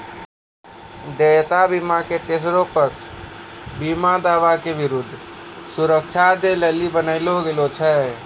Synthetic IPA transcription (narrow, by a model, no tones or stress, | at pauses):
d̪et̪abimaket̪es̬ɾopət͡ʃʰ | bimad̪aʋakebiɾud̪ʱː | suɾək̚t͡ʃʰad̪elelibənəɪloɡelot͡ʃʰɛ